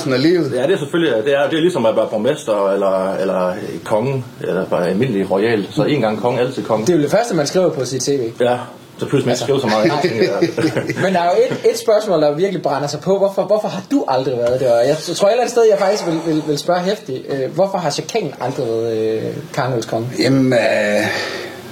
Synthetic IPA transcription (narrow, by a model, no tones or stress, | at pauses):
n̩ælḭːð̩ˠjæd̥e̝æɐseføljid̥e̝æɐjd̥eælisɒ̽mæb̥ɑ̈ːb̥omensd̥ɐelɐelɐkʰɒ̽ŋəelɐb̥ɑælme̝nəliʁɔɪɛ̰ːl̥sɒ̽e̝̰ːnɡ̥ɑ̈ŋ̰kʰɒ̽ŋəæl̰t͡sʰið̰ˠkʰɒ̽ŋəd̥e̝jod̥efɶɐsd̥əmænsɡ̥ʁḭːʊɐpʰɒ̽sid̥t͡sʰe̝̰ːʋe̝̰ːjæ | sɒpʰlusmæeɡ̥ɡʁiʊsɒmɑ̈ːðˠeŋɡ̰ | mend̥ɑ̈æjo̝e̝de̝d̥sb̥ɶɐsmɔ̰ːld̥ɑ̈ʋiɐɡ̥əlib̥ʁɑnɐsɑ̈ɪpʰɒ̽ʋɒfɒʋɒfɒ̽ɦɑ̈d̥uʔɑ̈ld̥ʁiʋæːɐð̞ˠd̥eɐɒjɑ̈ɪtt͡sʰʁo̝ɐelæn̩sdeð̞ˠjɑ̈ɪfɑɡ̥isɡ̥ʋe̝lʋe̝lʋe̝lsb̥ɶɐɦefd̥iøʋɒfɒ̽ɦɑ̈ɕækʰɛŋ̰n̩ʔɑ̈ld̥ʁiʋæɐð̩ˠkʰɑ̈ːno̰lskʰɒ̽ŋəjem